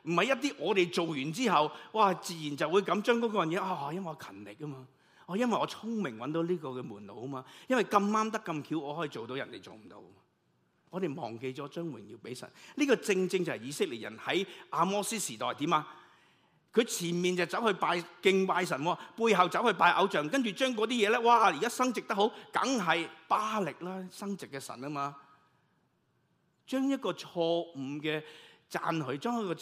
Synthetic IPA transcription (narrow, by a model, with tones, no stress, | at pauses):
m̩˨˩hɐ˨˩jɐ˥t̚t̪̬iː˥ʔɔː˨˧t̪e˨˩jt͡so˨wjyː˨˩nt͡siː˥hɐ˨wwaː˧˩t͡siː˨˩jiː˨˩nt͡sɐ˨wːuː˨˧jkɐ˨˧˥mt͡ʃœː˥ŋkɔː˨˥kɔː˧jɐ˨˩jɛː˨˧ʔaː˧aː˧˩jɐ˥nwɐ˨˩jɔ˧kʰɐ˨˩nlɪ˨k̚ːɐ˥maː˧ | ʔɔː˧˩jɐ˥nwɐ˨jɔː˨˧t͡sʰʊ˥ŋmɪ˨˩ŋwɐ˨˦nt̪o˨˥wliː˥kɔː˧kɛː˧muː˨˩nt̪o̰˨˧wɐ˥maː˧jɐ˥nwɐ˨˩jkɐ˧mːaː˥mt̪̬ɐ˥kːɐ˧mkʰiː˨˥wʔɔː˨˧hɔː˨˥jiː˧t͡ʃo˨wt̪o˧wjɐ˨˩nt̪ḛ˨˩jt͡so̰˨wm̩˨˩t̪o̰˧wmː˧ | ŋɔː˨˧t̪e˨jmɔ̰ː˨˩ŋke˧jt͡sɔː˨˥t͡ʃœː˥ŋwɪ̰˨˩ŋjḭː˧wpe˨˥jsɐ̰˨˩nliː˥kɔː˧t͡sɪ˧ŋt͡sɪ˧ŋt͡sɐ˨whɐ˨˩jiː˨˧sɪ˥k̚li˨t̚jɐ̰˨˩nhɐ˨˥jʔaː˧mɔː˥siː˥siː˨˩t̪ɔː˨jt̪iː˨˥maː˧ | kʰɵ˨˧ɥt͡sʰiː˨˩nmiː˨nt͡sɐ˨wt͡sɐ˨˥whɵ˧paː˧jkɪ˧ŋpaː˧js̬ɐ˨˩nwɔː˧puː˧jɦɐ˨wt͡sɐ˨˥whɵ˧ɥpaː˧jʔɐ̰˨˧˥wt͡ʃœː˨ŋkɐ˥nt͡ʃyː˨t͡ʃœː˥ŋkɔ˨˧˥t̪iː˥jɛː˨˧lɛː˥waː˧˩˨ji˨kaː˥sɐ˥ŋt͡sɪ˨k̚t̪ɐ˥kho˨˥wkɐ̰˨˥ŋɦɐ˨jpaː˥lɪ˨k̚laː˥sɐ˥ŋt͡sɪ˨kːɛː˧sɐ̰˨˩nɐ˥maː˧ | t͡ʃœː˥ŋjɐ˥t̚kɔː˧t͡ʃʰɔː˧m̩˨˩kɛː˧t͡sa̰ː˧nɦɵ˨˧ɥt͡ʃœː˥ŋjɐ˥kɔ˧